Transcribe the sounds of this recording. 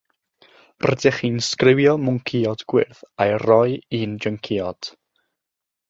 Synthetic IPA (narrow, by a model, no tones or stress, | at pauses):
rɛdɛχiːnskrɪwjɔmʊŋkʰiɔdɡ̥wɪ̰rθajrɔjiːnd͡ʒəŋkʰiɔd̥